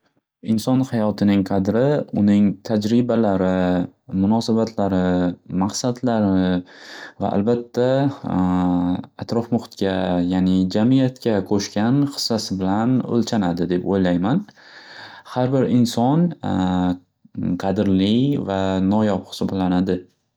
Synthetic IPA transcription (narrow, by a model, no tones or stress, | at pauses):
ɪnsɒnhajɒt̪ʰɪnɪŋqʰɑd̪ɾɪʊnɪŋt̪ʰad͡ʒɾɪbalaɾɪmʊnɒsabat̪ʰlaɾɪmaqsad̪laɾɪ | va̰ʔa̰lbat̪ʰːa | at̪ɾɒfmʊχʊ̥t̪kʲajaːnɪd͡ʒamɪjat̪kʲakʰoʃkʲanχɨ̥sːasɪbɪlanɵ̰lt͡ʃʰanad̪ɪd̪e̞po̰jlajman | haɾbɪɾɪnsɒn | qʰɑd̪ɪɾlɪvanɒjɒpχɨ̥sɒblanad̪ɪ